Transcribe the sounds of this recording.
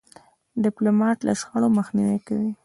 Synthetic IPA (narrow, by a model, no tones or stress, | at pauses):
ɖɪplomɑʈla̰sxaɽoməxniwekawi